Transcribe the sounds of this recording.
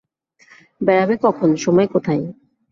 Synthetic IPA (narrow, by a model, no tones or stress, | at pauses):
bɛɾabekɔkʰonʃɔmɔekot̪ʰaj